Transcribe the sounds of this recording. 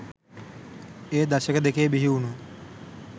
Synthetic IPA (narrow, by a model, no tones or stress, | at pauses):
eːd̪ɐʃəkəd̪ekeːbiɦiunu